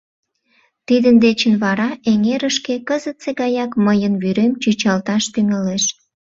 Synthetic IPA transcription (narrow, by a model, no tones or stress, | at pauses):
t̪id̪ənd̪et͡ɕənβɑɾɑeŋeɾəʃkekəzət̪t͡seɣɑjɑkməjənβyɾemt͡ɕyt͡ɕɑlt̪ɑʃt̪yŋeleʃ